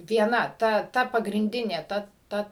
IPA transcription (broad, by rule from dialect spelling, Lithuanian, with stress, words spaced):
ʋʲiɛˈnɐ ˈtɐ ˈtɐ pɐɡrʲɪnʲˈdʲɪnʲeː ˈtɐ ˈtɐ